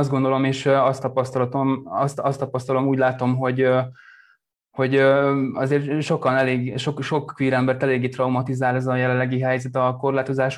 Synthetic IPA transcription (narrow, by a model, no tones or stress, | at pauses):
zd̪ɡo̞nd̪o̞lo̞meːʃɒst̪ɒpɒst̪ɒlɒt̪omɒst̪ɒst̪ɒpɒst̪ɒlo̞muːɟʲlaːt̪o̞mɦo̞ɟ | ho̞ɟɒzeːrʃo̞kɒnɛleːɡʃokʃo̞kːʋiːɾɛmbɛrt̪ɛleːɡːeːt̪rɒwmɒt̪izaːlɛzɒjɛlɛlːɛɡiɦɛjzɛt̪ɒko̞rlaːt̪o̞zaːʃ